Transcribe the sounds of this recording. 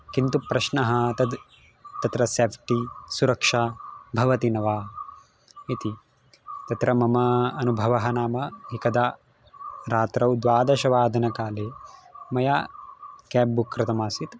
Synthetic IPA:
kint̪upɾɐʃnɐɦɐt̪ɐd̪ | t̪ɐt̪ɾɐseːpʰʈisuɾɐkʂaːbʱɐʋɐt̪inɐʋaː | it̪i | t̪ɐt̪ɾɐmɐmɐɐnubʱɐʋɐɦɐnaːmɐɦikɐd̪a | ɾaːt̪ɾɐwd̪ʋaːd̪ɐʃɐʋaːd̪ʱɐnɐkaːleːmɐja̰ːkɛːbbukːɾɪt̪ɐmaːsit̪

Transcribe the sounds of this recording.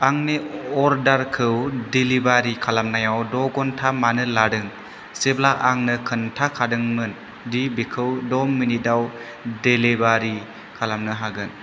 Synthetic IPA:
aŋneɔɾdaɾkʰɯwdilibaɾikʰalamnajawdɔɡɔntʰamanɯladɯŋ | seblaʔaŋnɯkʰɯntʰakʰadɯŋmɯn | dibikʰɯwdɔmːinidaw | delibaɾi | kʰalamnɯɦaɡɯn

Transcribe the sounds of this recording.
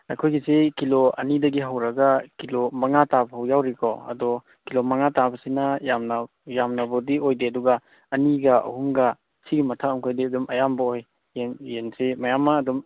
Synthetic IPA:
ɐ̰jkʰojɡizekiloɐ̰nidɐɡiɦɐwɾɐɡɐkilomɐŋatabɐɦɐwjawɾikʰɔ̰ɐ̰dɔ | kilomɐŋatabɐsinɐjamna | jamnɐbɔdiojdeɐduɡɐ | ɐniɡɐʔɐ̰huŋɡɐ | siɡimɐtʰaumkʰojdeɐdumɐjambaoj | enjensimɐjamːaːdum

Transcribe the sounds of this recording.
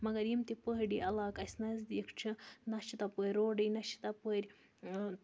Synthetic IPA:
mɐɡɐɾimt̪ipəɦɖiɐlɑːkɐsʲnɐzd̪ikʰt͡ʃʰinɐʃit̪ɐpoɾʲɾoːɖɐjnɐʃi̥t̪ɐpoɾʲ

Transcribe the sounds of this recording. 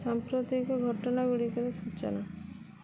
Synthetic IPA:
sampɾot̪ikɔɡʱɔʈɔnaɡuɽikɔɾesuːt͡ʃa̰na

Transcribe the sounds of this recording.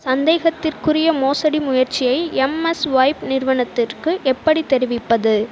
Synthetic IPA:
sɐnd̪eːɣɐt̪ːɪrkɯrɪjɐmoːsɐɽimʊjɐrt͡ʃːɪjɐɪɛmɛsʋɐɪpnɪrʋɐɳɐt̪ːɪrkɯʔɛpːɐɽit̪ɛɾɪʋɪpːɐðɯ

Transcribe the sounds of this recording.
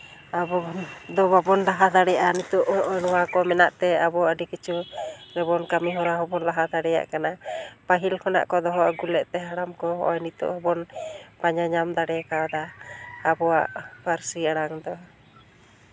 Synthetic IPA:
abɔnd̪ɔβabɔnɾaɦad̪aɽɛjaʔanit̪uʔɔʔɔnɔwakɔmɛnaʔt̪ɛabɔaəɖikit͡ʃuɾɛbɔnkamiɦɔɾaɦɔbɔnlaɦad̪aɽɛja̰ʔkanapaɦilkʰɔna̰ʔkɔd̪ɔɦɔwaʔɡulɛʔt̪ɛɦaɽamkɔɦɔ̰ʔɔnit̪ɔ̰ʔhɔbɔnpaɲaɲamd̪aɽɛkawd̪aabɔaʔpaɾsiaɽaŋd̪ɔ

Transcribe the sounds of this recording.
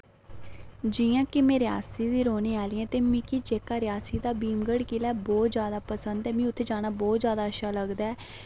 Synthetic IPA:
d͡ʒiːjãːkɪmẽːɾɪa̰ːsiːd̪iːɾoːneːaːliɛ̃ːt̪eːmiːkiːt͡ʃeːkaːɾɪjaːsiːd̪aːbiːmɡəɽkiːlaːbɔːt̪zjaːd̪aːpəsənd̪ɛːmĩːʊt̪ʰːeːd͡ʒaːñaːbɔːt̪zjaːd̪aːəʃaːləɡd̪aːɛː

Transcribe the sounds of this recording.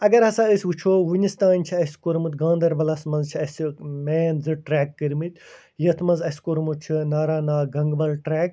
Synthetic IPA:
ɐɡɐɾɦɐsaːəsʲʋut͡ʃʰoːʋunist̪aːnʲt͡ʃʰiɐsʲkoɾmut̪ɡãːnd̪ɐɾbɐlɐsmɐnzt͡ʃʰiɐsimeːnzɨʈɾɛːkːɐɾmɨt̪̚ʲ | jɐt̪ʰmɐnzɐsʲkoɾmut̪̚t͡ʃʰinaːɾaːnaːɡɐŋɡbɐlʈɾɛːk

